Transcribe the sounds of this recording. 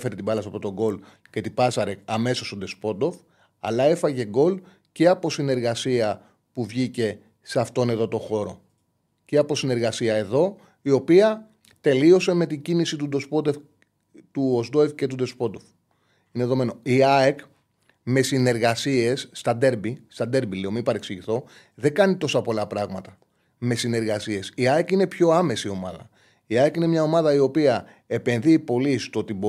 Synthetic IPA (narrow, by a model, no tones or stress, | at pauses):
fe̞ɾet̪ibɐlɐsɐpɾot̪o̞ɡo̞l | ce̞t̪ipɐsɐɾekɐme̞sost̪o̞d̪e̞spo̞d̪o̞f | ɐ̰lɐe̞fɐʝe̞ɡo̞l | ce̞ɐpo̞sine̞ɾɣɐsiɐ | puvʝice̞ | sɐft̪o̞ne̞ðo̞t̪o̞xo̞ɾo̞̰ | ce̞ɐpo̞sine̞ɾɣɐsiɐe̞ðo̞ | io̞piɐ | t̪e̞lio̞se̞me̞t̪iɟinisit̪ud̪o̞spod̪ef | t̪uosd̪o̞efce̞t̪ud̪o̞spo̞d̪of | ineðo̞me̞no̞iɐek | me̞sine̞ɾɣɐsie̞sːt̪ɐd̪e̞ɾbist̪ɐd̪e̞ɾbiliomipɐɾeksiʝiθo̞ | ðe̞ɡɐnit̪o̞sɐpo̞lɐpɾɐɣmɐt̪ɐ | me̞sine̞ɾɣɐsie̞siɐekine̞pço̞ɐme̞sio̞mɐ̰ðɐ̰ | iɐekine̞mɲɐo̞mɐðɐio̞piɐ | e̞pe̞nðipo̞list̪oot̪ibo